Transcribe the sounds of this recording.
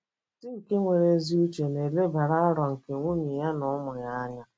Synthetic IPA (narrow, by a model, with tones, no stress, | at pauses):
sɪ˦ŋ̩˨ke˦ŋʷe˨ɾe˨˦zi˦u˦t͡ʃe˨ne˨le˦ba˨ɾa˦a˦ɾɔ˨ŋ̩˨ke˨ŋʷu˦ɲi˨ja˦nʊ˨˦mʊ˨ja˦ɲa˦